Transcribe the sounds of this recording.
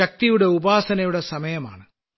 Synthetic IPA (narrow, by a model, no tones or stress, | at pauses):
ɐk̚t̪ijuɽe̞ubaːsɐnɐjuɽe̞sɐmɐjɐma̰ːɳɨ